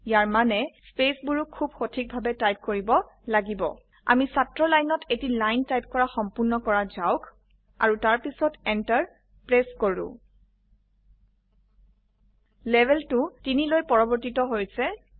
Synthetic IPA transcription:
jaɹmanɛspesbuɹukʰːubxotʰik̚bʱabɛtajp̚koɹibɔ | laɡibɔ̰ | a̰misatɹɔlajnɔtʰetilajntajp̚kɔɹaxɔmpʊɹnɔkɔɹazaʊk | a̰ɹutaɹpisɔtɛntaɹ | pɹeskoɹʊ̰̃ | lɛbʱɛltʊtinilojpɔɹɔbɔɹtitɔɦojsɛ

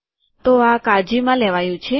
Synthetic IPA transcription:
t̪oakad͡ʒimãlɛʋajũt͡ʃʰe

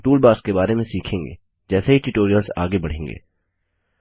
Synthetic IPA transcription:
ʈuːlbaːɾskebaːɾemẽsiːkʰẽːŋɡḛː | d͡ʒɛːseɦiʈuʈoːɾijəlsa̰ːɡebɐɽ̤ẽːŋɡḛː

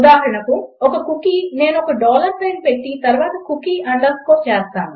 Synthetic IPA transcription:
ud̪aːɦɐɾɐɳɐkuɔkɐkukine̞ːnuɔkɐɖɔːlɐɾpeːnpeʈːit̪ɐɾʋaːt̪ɐkukiʔɐɳɖɐskoːt͡ʃɛːst̪aːnu

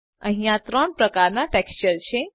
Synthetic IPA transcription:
ə̃ɦijat̪ɾɔɳpɾəkaɾnaʈɛkst͡ɕəɾɕe

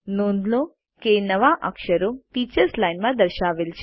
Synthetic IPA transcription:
nõnd̪lo | kenəʋaʔə̰kʃəɾopit͡ʃəɾslajnmãd̪əɾʃaʋelt͡ʃʰe

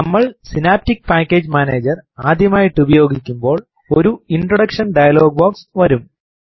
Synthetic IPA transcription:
nɐmːɐɭsinaːp̚tik̚ːpaːkːe̞ːd͡ʑmaːneːd͡ʑɐraːd̪ʱjɐmaːjiʈːubɐjo̞ːɡʱikʲːumbo̞ːɭ | o̞ɾuinɖrɐɽɐkʂɐnɖɐjɐlo̞ːɡ̚boːksʋɐɾum

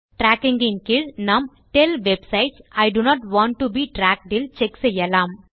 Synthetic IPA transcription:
ʈɾæːkɪ̃ŋɡɪ̃nkɪɭnɐm | ʈelʋebsaɪʈsaɪɖunɔːʈʋãːɳʈːubiːʈɾæːk̚ɖɪlt͡ʃɛksɛjːɐlãːm

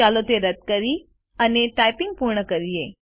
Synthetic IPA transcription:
alot̪eɾəd̪̚kəɾi | əneʈajpɪŋɡ̚puɾɳəkəɾie

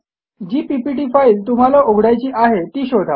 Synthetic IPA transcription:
d͡ʑiːpipiʈiːfaiːlt̪um̤alaʔoɡʱɽajt͡ɕiːʔaɦet̪iːɕod̪ʱa

